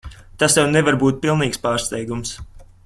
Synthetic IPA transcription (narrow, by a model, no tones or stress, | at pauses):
t̪asjawnɛvaɾbuːt̪̚pilˠniːkspaːɾst̪ɛjɡums